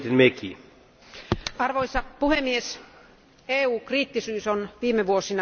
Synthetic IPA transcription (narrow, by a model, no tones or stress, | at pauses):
t̪inmeki | ɑrʋoisɑpuhemːies | eːuːkriːt̪ːisyːsonʋiːmeʋuosinɑ